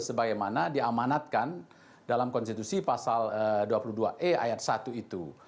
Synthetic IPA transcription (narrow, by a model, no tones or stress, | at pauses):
səbaɡajmanadiamanat̪̚kan | dalamkɔnst̪it̪usipasaləduapuluhduaʔea̰jat̪̚sat̪uit̪u